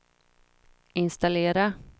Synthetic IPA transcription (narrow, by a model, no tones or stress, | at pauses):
ɪnst̪aleːɾa